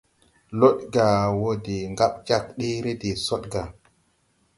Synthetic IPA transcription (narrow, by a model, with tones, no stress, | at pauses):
lo˦ɗɡa˨wo˦de˨ŋɡa˦ɓd͡ʒa˦˨k̚ɗe˦ɾe˦de˨so˦ɗ̚ɡa˨